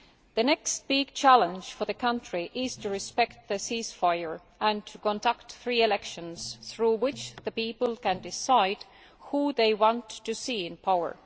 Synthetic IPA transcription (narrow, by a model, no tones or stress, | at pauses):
ðɨnɛkst̚b̥ɪɡ̥̚t͡ʃʰælˠə̃nd͡ʒ̥fə˞ðɨkʰʌ̃ntɹ̥iʔɪz̥tʰɨɹɨspɛkt̪̚ðɨsisfaɪə˞ | ə̃ntʰɨkɔ̃ndʌktθɹiɨlɛkʃɨ̃nz̥θɹuwɪt͡ʃðɨpipl̩ˠkɨ̃ndɪsaɪd | huðeɪwɑ̃ntʰːɨsiɪ̃npʰaʊə̰˞